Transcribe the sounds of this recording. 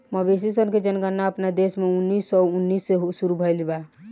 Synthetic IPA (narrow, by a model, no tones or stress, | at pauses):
məbes̬isənked͡ʒənɡənːaəpnad̪esmeunːisɔunːisːeɦusuɾubʱəjlba